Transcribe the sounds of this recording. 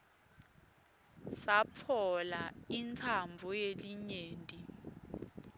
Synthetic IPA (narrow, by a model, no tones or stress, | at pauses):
sapʰɔlaint͡sʰambvʱɔjeliɲeːntʼi